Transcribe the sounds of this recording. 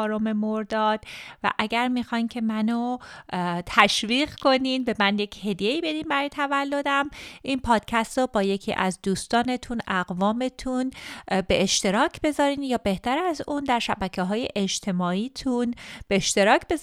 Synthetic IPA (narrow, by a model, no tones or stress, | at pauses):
ɾome̞moɾd̪ɒːd̪̥væ̰ʔæɟæɾmixɒːjncʰe̞mæno | t̪ʰæʃviːɣkʰo̞ninbemænje̞cʰhe̞d̪je̞iːbe̞d̪iːnbæɾɒːjt̪ʰævælːo̞d̪æmʔinpʰɒːd̪̥̚cʰæst̪ɾobɒːje̞cʰḭːʔæ̰zd̪uːst̪ɒːne̞t̪ʰunæɣvɒːme̞t̪ʰunbe̞ʔeʃt̪e̞ɾɒːcʰbe̞zɒːɾiːnjɒːbe̞ht̪æɾæzund̪æɾʃæbæcʰeɦɒːje̞ʔed͡ʒt̪ʰe̞mɒːiːt̪ʰunb̥eːʃt̪e̞ɾɒːcʰb̥e̞z